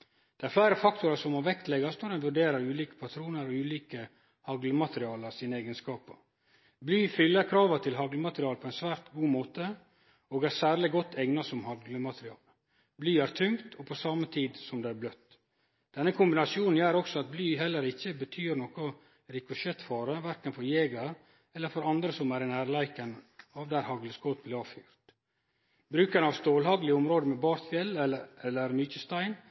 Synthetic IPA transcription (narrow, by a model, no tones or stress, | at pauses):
d̪̥ɛæɾflæɪɾəfɑkt̪ʊɾɑsɔmɔʋɛk̚t̪lɛɡɑst̪nɔɖ̪ɛnʋʉɖeːɾɑɾʉːliːkə̥pʰɑt̪ʰɾuːnəɾɔʉːliːkə | hɑɡləmɑt̪əɾɪɑːləsiːnəɛːɡənskɑːpə̰ | blyːfʏlːəkʰɾɑːʋɑt̪ʰɪlɦɑɡləmɑt̪ɾɪɑːlpʰɔɛɪnsʋæːɾt̪ɡuːmoːt̪ə | oːɡæɾsæːɾɭɪɡɔt̪ʰːɛŋnɑsɔmhɑɡləmɑt̪ɾɪɑ̰ːl | blyːæɾt̪ʰʉŋt̪ʰɔpʰɔsɑːmət̪ʰiːd̪sɔmd̪eːæɾblœt̪ː | d̪̥ɛnːəkʰʊmbɪnɑsɪuːnn̩jæːɾɔksɔɑt̪̚blyːɦɛlːəɾɪçːəbət̪ʰyːɾnɔkɔ | ɾɪkʊʃɛt̪fɑːɾəʋæɾkənfɔɾjeːɡɑɾ | ɛlːəɾfɔɾɑnd̪ɾəsɔmæːɾnæːɾlæɪkɑnəɑːʋd̪æɾhɑɡləsɡɔt̪̚blɪɑːʋfyːɾt̪ | bɾʉːkənəɑʋst̪oːlhɑɡlɪʊmɾoːd̪əmɛːbɑːɾt̪fjɛlɛlːəɾmyːçəst̪æɪn